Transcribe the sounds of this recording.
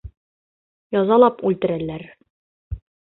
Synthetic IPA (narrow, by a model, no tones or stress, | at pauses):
jɒzɑlˠɑpʉlt̪ɘ̆ɾælːæɾ